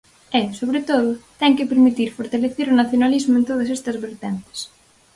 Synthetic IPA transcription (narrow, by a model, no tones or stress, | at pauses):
ɛsoβɾet̪oð̞ʊt̪ɛŋkɪpeɾmit̪iɾfoɾt̪aleθeɾʊnaθjonalizmʊẽnt̪oð̞ɐsɛst̪ɐzβeɾt̪ɛnt̪ɪ̥s